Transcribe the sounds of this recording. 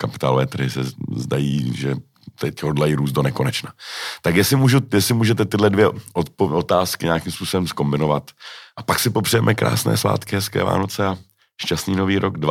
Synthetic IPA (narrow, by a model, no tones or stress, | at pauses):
kapɪ̥t̪a̰ːlovɛːt̪rɾ̩ɦɪsɛ̰zdajḭːʒɛ | t̪ɛcɦodlajiːɾuːs̬t̪̚do̞nɛko̞nɛt͡ʃnat̪akjɛsɪmuːʒujɛsɪmuːʒɛt̪ɛt̪ɪdlɛdvjɛʔot̪pot̪aːskɪɲaːkimspuːso̞bɛmsko̞mbɪno̞vat̪ʔapaksɪpo̞pr̝̥ɛjɛmʔɛkɾa̰ːsnɛ̰ːsva̰ːt̪kɪɦɛskɛ̰ːva̰ːno̞t͡sɛa | ʃcast̪niːno̞viːɾʔoɡdva